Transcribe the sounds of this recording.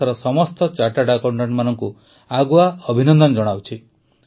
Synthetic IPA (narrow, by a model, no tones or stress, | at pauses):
aɾɔsɔmɔst̪ɔt͡ʃaʈaɖakoɳʈaʈmanɔŋku | aɡuaɔbʱinɔnd̪ɔnd͡ʒɔɽ̃awt͡ʃʰi